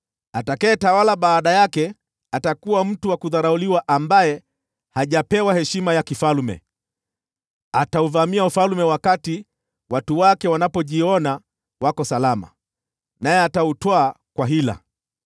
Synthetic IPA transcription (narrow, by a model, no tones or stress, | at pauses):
atakajɛtawalaɓaːɗajakɛ | atakuwam̩tuwakuðaɾauliwaʔambajɛ | haʄapɛwahɛʃimajakifalmɛ̰ | atauvamiaufalmɛwakati | watuwakɛwanapɔʄiɔna | wakɔsalama̰ | najɛatautwaː | kwaɦila̰